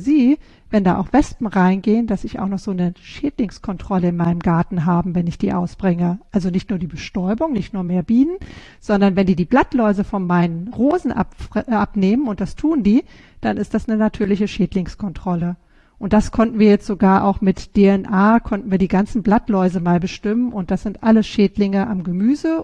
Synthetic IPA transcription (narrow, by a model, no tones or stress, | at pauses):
ziː | vɛnda̰ːʔa̰ʊxv̥ɛspm̩ʁaɪnɡeːənd̥asɪça̰ʊxnɔχz̥oːnəʃeːdlɪŋskʰɔntʁ̥ɔləɪnmaɪnəmɡaɐtn̩ɦaːbm̩vɛnɪçd̥iːʔaʊsb̥ʁɪŋəʔalzonɪçtnuːɐdiːbəʃtɔʏbʊŋnɪçtnuːɐmeːɐbiːnən | z̥ɔndɐnvɛndiːdiːblatlɔʏzəfɔnmaɪnənʁoːzn̩ʔa̰pʔapneːmənʊntd̥astʰuːəndiː | d̥anʔɪstd̥asnənatʰyːɐlɪçəʃeːtlɪŋskʰɔntʁ̥ɔlə | ʔʊnt̚d̥askʰɔntn̩viːɐjɛt͡stz̥oɡaːɐʔa̰ʊxmɪtd̥eɛnʔaːkʰɔntn̩viːɐdiːɡant͡sn̩blatlɔʏzəmaːlbəʃtɪmənʔʊnt̚d̥asz̥ɪntʔaləsʃeːtlɪŋəʔamɡəmyːzə